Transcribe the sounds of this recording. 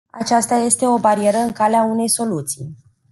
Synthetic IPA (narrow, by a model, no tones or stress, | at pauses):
a̰t͡ʃast̪aje̞st̪e̞o̞baɾie̞ɾəɨŋkaleaune̞jso̞lut̪sḭj